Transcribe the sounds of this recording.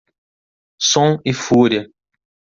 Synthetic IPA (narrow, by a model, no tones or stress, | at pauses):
sõɪfuɾjɐ